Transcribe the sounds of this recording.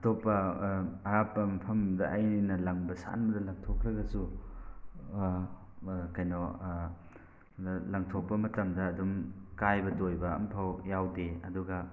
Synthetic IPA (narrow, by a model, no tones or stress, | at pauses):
ɐtopːɐɐɾapːɐmɐpʰɐmdɐʔɐjnɐlɐŋbɐsa̰nbɐdɐlɐŋtʰokɾɐɡɐsu | kɐjno | lɐŋtʰok̚pɐmɐtɐmdɐːdumkajbɐtojbɐɐ̰mpʰawjawdeɐ̰duɡɐ